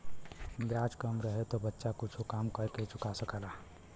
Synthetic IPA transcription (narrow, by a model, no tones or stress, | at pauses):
bjad͡ʒkəmɾəɦet̪obətːʃakʊt͡ʃʰokamkəɾket͡ʃʊkasəkəla